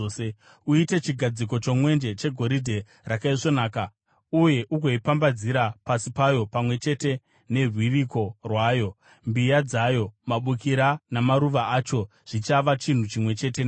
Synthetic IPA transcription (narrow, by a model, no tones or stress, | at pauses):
e | uite̞t͡ʃiɡʱad͡ziko̞t͡ʃo̞mwe̞nd͡ʒe̞t͡ʃe̞ɡʱo̞ɾidʱe̞ | rakaiʂo̞naːka | uje̞ʔuɡʱo̞ipambad͡ziɾapasipajo̞pamwe̞t͡ʃe̞te̞ | ne̞rwiriko̞rwaːjo̞ | mbijad͡zajo̞maɓukiɾanamaɾuʋaʔat͡ʃo̞ | ʐ̥it͡ʃaʋat͡ʃin̤ut͡ʃimwe̞t͡ʃe̞t̬ena